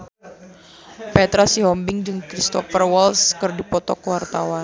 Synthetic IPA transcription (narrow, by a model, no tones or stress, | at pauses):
pɛt̪ɾasiɦɔmbɪŋd͡ʒɨŋkɾist̪ɔfərwɔlskɨrdipɔt̪ɔkəwart̪awan